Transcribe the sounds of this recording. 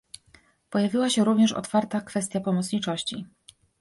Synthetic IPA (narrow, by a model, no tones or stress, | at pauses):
pɔjavʲiwaɕɛɾuvɲɛʂɔ̰t̪faɾt̪akfɛst̪japɔmɔt̪sɲit͡ʂɔɕt͡ɕi